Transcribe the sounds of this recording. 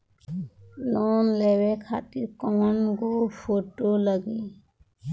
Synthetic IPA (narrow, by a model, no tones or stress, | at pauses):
loːnlewekʰat̪iɾkɔŋnɡopʰoʈoːləɡiː